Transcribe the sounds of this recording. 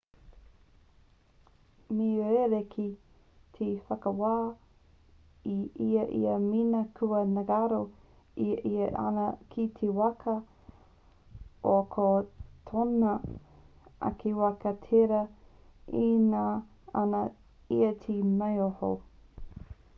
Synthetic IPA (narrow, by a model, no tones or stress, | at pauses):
miɾeɾekʰi | tʰefɐkəwaː | iʔiɐʔḭɐminɐkʰuɐnɐɡaɾo | iʔiɐʔa̰nɐkʰitʰewɐkʰɐ | ʔokʰotʰonɐ | ʔɐ̰kʰiwɐkɐtʰeɾɐ | inaː | ɐnɐ | ḭɐtʰimejoho̰